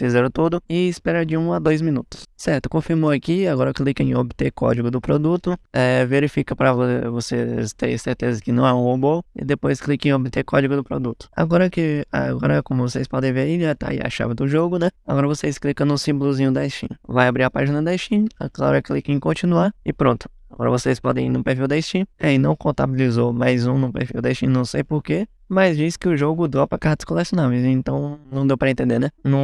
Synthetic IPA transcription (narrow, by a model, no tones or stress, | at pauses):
fizɛɾɐ̃t̪ud̪ʊɪɪspɛɾɐd͡ʒɪũad̪ojzmĩnut̪ʊ̥ssɛɾt̪ʊ̥kõfiɾmoakiaɡɔɾɐklikẽobɪt̪ekɔ̰d͡ʒiɡʊd̪ʊpɾod̪ut̪ʊɛveɾifikɐpɾɐvovosest̪ḛ̃jseɾt̪ezɐkɪnɐ̃w̃ɛũobowɪ̰d̪epojsklikẽobɪt̪ekɔd͡ʒiɡʊd̪ʊpɾo̰d̪ut̪ʊ̥a̰ɡɔɾɐkɪa̰ɡɔɾɐkõmʊvosejspɔd̪ẽj̃veiat̪a̰ḭa̰ʃa̰vɪd̪ʊʒoɡʊnɛaɡɔɾɐvosejsklikɐ̃w̃nʊsĩbʊlʊzĩɲʊd̪aist͡ʃḭ̃vajabɾiɾɐpaʒinɐd̪ajst͡ʃĩa̰klaɾɐklikĩkõt͡ʃĩnuaɾɪpɾõt̪ʊ̥ | aɡɔɾɐ̰vosejspɔd̪ẽj̃inʊpeɾfiwd̪aist͡ʃĩainɐ̃w̃kõnt̪a̰bilizomajzũnʊ̃peɾfiwd̪ɐaist͡ʃĩnɐ̃w̃sejpoɾke | mɐjzd͡ʒisɪ̥kɪʊʒoɡʊd̪opɾɐkaɾt̪ɐ̥skolesjonavejzẽt̪ɐ̃w̃nɐ̃w̃d̪ewpɾɐẽnt̪ẽnd̪enɛnɐ̃w̃